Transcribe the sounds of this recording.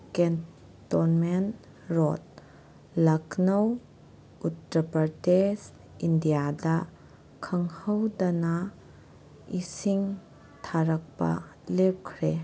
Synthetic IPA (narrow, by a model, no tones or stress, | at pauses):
ken | tonmen | ɾot̚ | lɐkʰnɐw | utɾɐpɐɾdes | indijadɐ | kʰɐŋhɐwdɐnɐ | isiŋ | tʰaɾɐk̚pɐ̰lep̚kʰɾe